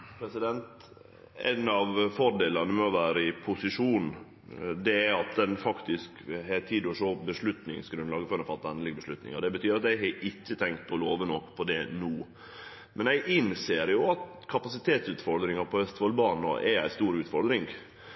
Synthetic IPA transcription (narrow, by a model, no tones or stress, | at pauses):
pʰɾɛsɪd̪ɛnt̪ | æ̰ɪnɑʋfɔɾɖ̪eːlɑnəmɛɔʋæːɾəɪpʰʊsɪʂuːnn̩ | d̪ɛæɑt̪̚d̪ɛnfɑkt̪ɪskɦet̪ʰiːd̪ɔʂoːbəʂlʉt̪nɪ̰ŋsɡɾʉnlɑːɡəfœɾnəfɑt̪ːɑɛnlɪɡəbəʂlʉt̪nɪ̰ŋɑd̪ɛbət̪ʰyːɾɑt̪æɪɦɛʔɪt͡ʃːət̪ʰɛŋk̚t̪̚pʰɔloːʋənɔkːpʰɔd̪ɛnuː | mʔɛnæɪʔɪnseːɾjʊɑt̪ | kʰɑpɑsɪt̪ʰeːt̪sʉːt̪fɔɾd̪ɾɪŋɑɾpʰɔʋɛst̪ɔlbɑːnɔ̰ʔɛæ̰ɪst̪uːɾʉːt̪fɔɾd̪ɾɪŋɡ